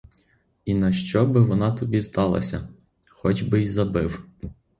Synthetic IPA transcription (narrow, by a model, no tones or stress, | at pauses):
inɐʃt͡ʃɔbɪʋɔnɑt̪ɔbʲist̪ɑlˠɐ̰sʲɐ | xɔd͡ʒbɪjzɐbɪw